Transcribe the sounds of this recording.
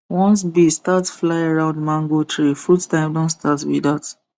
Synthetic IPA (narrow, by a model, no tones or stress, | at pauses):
wɔ̃ns̬bistatsflaɪaɹãʊ̃ndmãŋɡotʰɹifudtãɪ̃mdõnstatwḭdat